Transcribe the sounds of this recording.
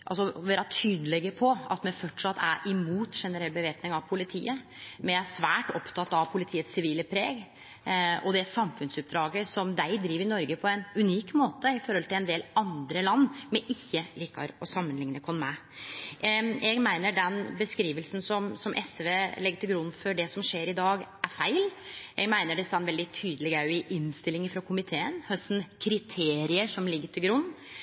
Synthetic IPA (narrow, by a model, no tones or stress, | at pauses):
ʔɑlsɔʋeːɾɑt̪ʰyːd̪əlɛɡəpʰɔɑ̰t̪mɛnfɔʈʂɑt̪ːæ̰ɾʔɪmuːt̪ʂɛnəɾɛlbəʋeːpnɪŋɑʋpʰʊlɪt̪ʰḭːə | mɛæsʋæːʈɔpt̪ʰɑt̪ːɑʋpʰʊlɪt̪ʰiːət̪sːɪʋiːləpʰɾeːɡ | ɔd̪ɛsɑmfʉnsʉp̚d̪ɾɑːɡəsɔmd̪æɪd̪ɾiːʋɾɪnɔɾɡəpʰɔɛnʉniːkmoːt̪əɪfɔɾhɔlt̪ʰɪlɛnd̪eːlɑnd̪ɾəlɑnːmɛʔɪçːəliːkːɑɾɔsɑmːənlɪŋnəkʰɔnmæ | jɛɡmæɪnəɖɛnbəskɾiːʋəlsn̩sɔmsɔmʔɛsʋeːlɛɡːəʈ̪ʰɪlɡɾʊnːfɔɖɛsɔmʂeːɾɪd̪ɑːɡʔæɾfæɪljɛɡmæɪnəɖɛst̪ɑnʋɛld̪ɪt̪ʰyːd̪əlɪɡæɾjʊɪʔɪnst̪ɪlːɪŋɪfɾɑkʰʊmɪt̪ʰeːənhœst̪n̩kʰɾɪt̪ʰeːɾɪəʂɔmlɪɡːəʈʰɪlɡɾʊn